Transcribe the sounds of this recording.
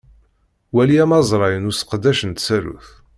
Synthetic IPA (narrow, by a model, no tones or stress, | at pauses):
wæliæmɑzˤɾˤɑjənʊsə̥qd̪æʃənt̪sæɾṵθ